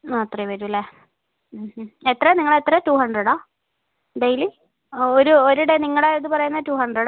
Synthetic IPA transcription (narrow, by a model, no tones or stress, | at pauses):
ɐt̪rɐjʋɐɾulːe | het̪ːrɐniŋːɐɭet̪ːrɐtuːhɐɳɖreɽaː | ɖejli | oɾuoɾuɽeniŋːɐɭeːðɨpɐrɐjunːɐtuːhɐɳɖreɽ